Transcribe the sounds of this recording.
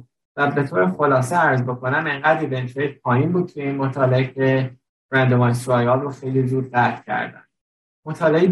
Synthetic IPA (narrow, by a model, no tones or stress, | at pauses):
væbe̞t̪ʰoːɾexo̞lɒːseæɾzbo̞kʰo̞næmeŋɢæd̪ɾibentejtpʰɒːjinbuːd̪̚t̪ʰujeiːnmot̪ʰɒːleecʰe̞ | ɾænd̪omɒnsɾɒjɒːlroxe̞jlizuːd̪̚ɢæt̪ʰcʰæ̰ɾd̪æ̰n | mot̪ʰɒːlei